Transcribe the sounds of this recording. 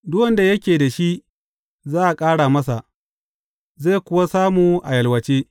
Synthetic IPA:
dʊ˦wɐ˨nda˨jɐ˦kʲeː˨da˨ʃi˦ | zaː˦ʔa˨kʼaː˦ɽa˨mɐ˦sa˨ʔ | zeː˦˨kʷʊ˦wa˦saː˦muː˨ʔa˨jɐ˨lwɐ˨t͡ʃeː˦

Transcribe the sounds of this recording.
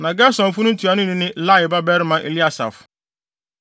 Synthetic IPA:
nã˨ɡɛ˦sɔ̃˨m̩˨fʊ˦nʊ̃˦tʰu˨a˨nʊ̃˦nĩ˦nɪ̃˦la˦˨ɪ˨ba˦bɛ˦ɾmã˦ʔḛ˨li˦a˦sa̰˨f

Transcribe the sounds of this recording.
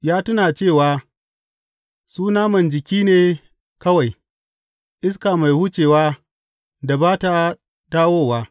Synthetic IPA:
jaː˦tʊ˦naː˨t͡ʃeː˦˨waː˦ | suː˦naː˦mɐ˨nd͡ʒɪ˨kʲiː˦neː˨ | kɐ˦wa˨j | ʔɪ˦s̬kaː˨ma˨jhʊ˦t͡ʃeː˨waː˦ | da˨baː˦ta˦ | daː˦woː˦waː˦

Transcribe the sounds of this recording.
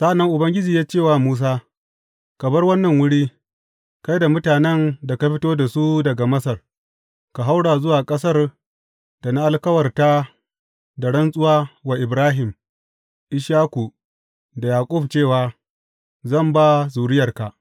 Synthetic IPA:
sa˦ʔa˨nːɐ˦ŋʔʊ˨bɐ˦ŋɡʲɪ˦d͡ʒiː˨jaː˦t͡ʃeː˦˨waː˦muː˦s̬aː˦ | kɐ˨bɐ˦rwɐ˦nːɐ˨ŋwʊ˦ɽiː˦ | ka˦jda˨mʊ˦taː˨nɛ˦nda˨ka˦ɸɪ˦toː˦da˨su˦dɐ˨ɡa˨mɐ˦sɐ˨r | ka˨ɦa˦wɽaː˨zʊ˦waː˨kʼɐ˦sɐ˦r | d̥a˨na˦ʔa˦lkɐ˦wɐ˨rta˦ | da˨ɽɐ˦nsʼʊ˦waː˦wa˨ʔɪ˨bɾaː˦ɦɪ˨m | ʔɪ˦ʃaː˦ku˨ | da˨jaː˨kʷʼʊ˦˨bt͡ʃeː˦˨waː˨ | zɐ˦˨mba˦zuː˨ɽɪ˦jɐ˨rka˨ʔ

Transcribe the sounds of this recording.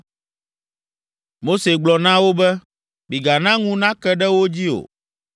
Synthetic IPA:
mo˦se˨ɡ͡blɔ˨nã˦wo˦bɛ˦ | bi˨ɡa˨nã˦ŋũ˦nã˦kɛ˦ɖɛ˦wo˦d͡ʑi˦o̰˨

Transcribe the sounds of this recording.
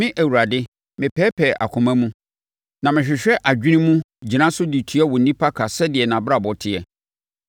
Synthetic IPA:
mɪ̃˦ʔæ˨wu˨ɾa˨dɪ˦ | mɪ̃˨pʰɛː˦pʰɛ˨ʔa̰˨kʰʊ̃˨mæ̃˦mũ˦ | nã˨mɪ̃˨ɕᶣɪ˨ɕᶣɛ˦ʔa˨d͡ʑᶣi˦ĩ˦mũ˦ | d͡ʑi˨nã˦sʊ˦di˨tʰu˦ɛ˦wɔ˨n̩˨nĩ˦pʰa˦kʰa˨sɛ˦dɪ˨ɛ˨nã˨ba˨bɔ˨tʰɪ˦˨ɛ˨

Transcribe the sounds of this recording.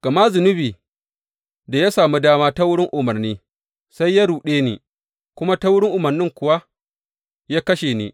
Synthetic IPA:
ɡ̥ɐ˨ma˦zʊ˨nʊ˦biː˨ | da˨ja˦saː˨mi˦daː˦maː˦ta˦wʊ˦ɽɪ˦ŋʔʊ˨mɐ˨rniː˦ | sa˦jːa˦ɽuː˨ɗeː˦nḛː˨ | kʷʊ˦ma˦ta˦wʊ˦ɽɪ˦ŋʔʊ˨mɐ˨rnɪ˦ŋkʷʊ˨wa˦ | jaː˦kɐ˦ʃeː˨nḛ˨

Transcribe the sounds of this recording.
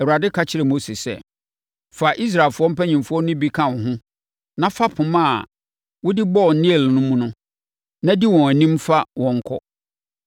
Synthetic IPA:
ɛ˨wu˨ɾa˨dɪ˦kʰa˦t͡ɕʰɪ˦ɾɛ˨mo˦si˨sɛ̰˦˨ | fa˨ʔi˦s̬ɾa˨lfʊ˦ɔ˦m̩˦pʰæ˦ɲĩ˨mfʊ˦ɔ˦nʊ̃˦bi˦kʰã˦˨wɔ̃˨ɦʊ̃˦ | nã˦fa˦pʰʊ̃˨mã˦˨ | wʊ˦dɪ˦bɔ˦˨n̩˦nɪ̃˦e˨lnʊ̃˦mũ˦nʊ̃˦ | nã˦di˦wɔ̃˨æ˨nĩ˦mfa˦wɔ̃˨ŋ̩˦kʰɔ̰˦

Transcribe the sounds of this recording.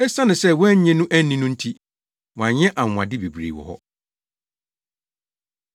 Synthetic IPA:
ɛ˦sã˦nɪ̃˨sɛ˦wɔ˦ɲɛ̃˦nũ˦ʔæ˦nːĩ˦nũ˦n̩˦tʰi˦ | wɔ˨ã˨ɲɲɛ̃˦ʔã˨ã̰˨dɪ˦be˨bɾḛ˨wɔ̰˨hɔ̰˦

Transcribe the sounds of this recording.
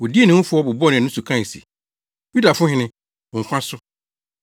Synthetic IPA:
wʊ˨di˦e˦nɪ̃˦ŋ̩˦fʊ˦ɔ˦bʊ˨bɔ˦nɪ̃˨nʊ̃˦su˨kʰã˦˨e˨sḭ˨ | ju˦da˨fʊ̃˦hɪ̃˨˦nɪ̃˦˨ | ŋ̩˨kʷʰã˦sʊ˦

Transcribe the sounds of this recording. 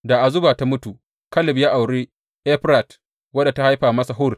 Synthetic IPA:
da˨ʔa˨zʊ˦baː˨ta˦mʊ˦tu˨ | kɐ˦lɪ˨bjaː˦ʔa˨wɽeː˦ | ʔɛ˦ɸɾa˨t | wɐ˦da˨ta˦ha˦jɸaː˨mɐ˦sa˨ɦʊ˦˨r

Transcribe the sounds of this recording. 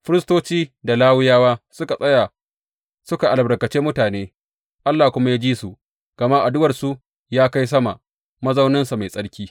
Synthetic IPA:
ɸɪ˦ɾɪ˦stoː˦t͡ʃiː˦da˨laː˦wʊ˦jaː˦waː˦sʊ˦ka˨sʼɐ˦ja˨ | sʊ˦ka˨ʔa˨lbɽɐ˨kɐ˨t͡ʃeː˦mʊ˦taː˨neː˦ | ʔa˦lːaː˨kʷʊ˦ma˦jaː˦d͡ʒiː˦su˨ʔ | ɡ̥ɐ˨ma˦ʔa˨dʊ˦wɐ˨rsu˦ | jaː˦ka˦js̬ɐ˦ma̰˨ʔ | mɐ˦za˦wnɐ˦nsu˨ma˨jsʼɐ˦ɽkʲiː˦

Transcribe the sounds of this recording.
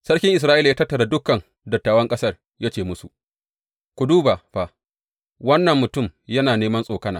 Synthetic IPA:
sɐ˦ɽkʲɪ˦ŋʔɪ˨s̬ɾaː˦ʔi˦la˨jaː˦tɐ˦tːɐ˨ɽa˨dʊ˦kːɐ˨n | dɐ˨tːaː˨wɐ˦ŋkʼɐ˦sɐ˦˨r | jaː˦t͡ʃeː˨mʊ˦su˨ʔ | kʷu˨duː˦baː˨ɸa˨ | wɐ˦nːɐ˨mːʊ˨tʊ˦˨mjɐ˦naː˨neː˦mɐ˦nsʼoː˨kɐ˦naː˨

